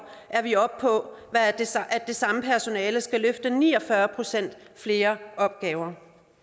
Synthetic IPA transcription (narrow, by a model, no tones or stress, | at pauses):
ʔæɐʋiɒ̽b̥̚pʰɒ̽ | ʋæ̥ʔæd̥ːe̝sɑ̈məpʰæɐso̝nɛːləsɡ̥æløfd̥ənḭːɒ̽fɶɐpʰʁo̝sen̰d̥ | fle̝ːɐʔɒ̽b̥̚ɡ̥ɛːʊɐ